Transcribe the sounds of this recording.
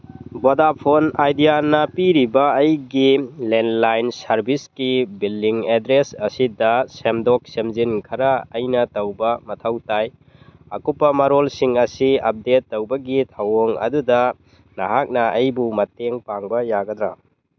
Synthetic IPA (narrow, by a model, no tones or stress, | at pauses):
bodapʰonajdijanɐpiɾibɐːjɡilenlajnsɐɾbiskibildiŋedɾesɐsidɐsemdɔk̚semzinkʰɐɾɐɐjnɐtɐwbɐmɐtʰɐwtaj | ɐkupːɐmɐɾolsiŋɐsiɐp̚detːɐwbɐɡitʰawoŋɐ̰dudɐ | nɐɦak̚nɐɐjbumɐteŋpaŋbɐjaɡɐd̪ɾa̰